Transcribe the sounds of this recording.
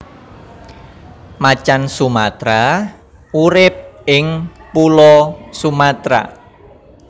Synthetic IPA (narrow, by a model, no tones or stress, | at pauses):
mat͡ʃansumat̪ɾa | uɾɪp̚ɪŋpulɔsumat̪ɾa̰